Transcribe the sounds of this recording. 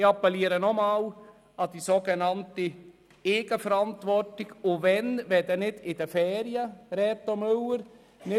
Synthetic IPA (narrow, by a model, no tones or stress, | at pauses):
ɑpːɛliːəɾənɔmɑːw | ɑd̥isoɡenɑnti | eːɡəfəɾɑntʋɔrtɪɡʊvɛnvɛdənɪdɪdəfɛːɾjəɾɛt̪ːɔmøwəɾ | nɪ